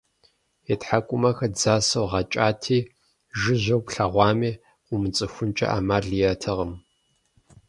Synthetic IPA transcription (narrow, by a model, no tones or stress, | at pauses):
etħakʷʼʊmɐxɐd͡zaːsɐwʁɑt͡ʃʼaːtʰiː | ʒɨʑɐwpɬɐʁʷɑːmiː | qʷʊmɨt͡sʼɨxʷʊnt͡ʃʼɐ̰ʔa̰ːmaːɮijatʰɐʁəm